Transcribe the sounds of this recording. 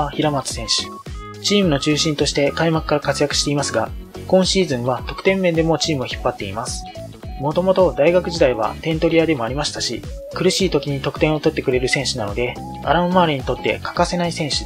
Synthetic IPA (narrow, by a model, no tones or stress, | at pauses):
çiɾamat͡sɨ̥sẽ̞ɰ̃ɕi̥ | t͡ɕiːmɯ̟no̞t͡ɕɨːɕĩnt̪o̞ɕi̥t̪e̞kaimakɯ̟̥kːaɾakat͡sɨjakɯ̟̥ɕi̥t̪e̞imasɨɡa | kõ̞ɰ̃ɕiːzɨ̃ɰ̃βat̪o̞kɯ̟̥t̪ẽ̞mːẽ̞nd̪e̞mo̞t͡ɕiːmɯoçi̥pːat̪ːe̞ḭmasɨ̥ | mo̞t̪o̞mo̞t̪o̞d̪aiɡakɯ̟ʑid̪aiβa̰t̪ẽ̞nt̪o̞ɾʲiad̪e̞mo̞aɾʲimaɕi̥t̪aɕi | kɯ̟ɾɯ̟ɕiːt̪o̞kʲiɲ̟it̪o̞kɯ̟̥t̪ẽo̞t̪o̞t̪ːe̞kɯ̟ɾe̞ɾɯ̟sẽ̞ɕinano̞d̪e̞ | a̰ɾaɯ̃maːɾʲiɲ̟it̪o̞t̪ːe̞̰kʰḁkase̞naisẽ̞ɰ̃ɕi̥